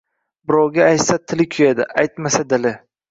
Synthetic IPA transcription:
bɪɾɒwɡʲaːjt̪sat̪ʰɪlɪkʲʰʊjad̪ɪ̰ʔajt̪masad̪ɪlɪ

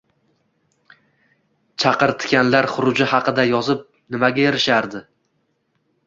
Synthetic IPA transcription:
t͡ʃʰɑqɨɾt̪ʰɪ̥kʲanlaɾχʊɾʊd͡ʒɪhɑqʰɨd̪ajɒzɪp̚ | nɪmaɡʲaeɾɪʃaɾd̪ɪ

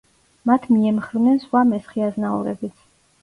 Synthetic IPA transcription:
mat̪ʰmiɛmχɾnɛnsχwamɛsχiaznaɔ̰ɾɛ̰bit̪sʰ

